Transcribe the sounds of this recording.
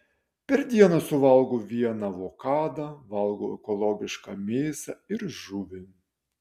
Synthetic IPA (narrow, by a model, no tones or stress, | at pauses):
pʲɛɾd̪ʲiɛnɐsʊʋɐlˠɡoːʋʲiɛnɐʋoːkɑːd̪ɐʋɐlˠɡoːɛ̰kɔlˠɔːɡʲɪʃkɑ̰ːmʲeːsɐɪɾʒʊʋʲɪ